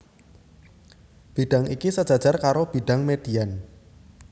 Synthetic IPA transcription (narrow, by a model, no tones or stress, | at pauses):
b̥i̤ɖ̥a̤ŋikisəd̥ʒ̥a̤d̥ʒ̥arkaɾob̥i̤ɖ̥a̤ŋmed̥i̤an